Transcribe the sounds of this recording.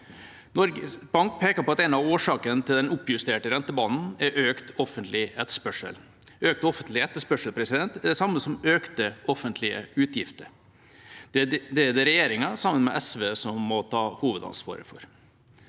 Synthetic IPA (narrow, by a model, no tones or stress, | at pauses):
nɔɾɡəbɑŋkpʰeːkəɾpʰɔɑt̪ɛɪnɑʋoːʂɑːkənt̪ʰɪld̪ɛnʊpːjʉst̪eːʈəɾɛnt̪əbɑːnn̩æɾʔøːkt̪ɔfənt̪ʰlɪɛt̪ːə̥ʂpœʂə̰l | øːk̚t̪ɔfənt̪lɪɛt̪ːəʂpœʂəlpʰɾɛsɪd̪ɛnt̪ɛɖɛsɑmːəsɔmøːkt̪əʔɔfənt̪ʰlɪə̰ʉːt̪ʰjɪft̪əɾ | d̪ɛd̪ɛɾɛjeːɾɪŋɑsɑmːənmɛ̰ʔɛsʋeːsɔmːɔt̪ʰɑːhuːʋəd̪ɑ̰nspo̰ːɾə̰fɔ̰ɾ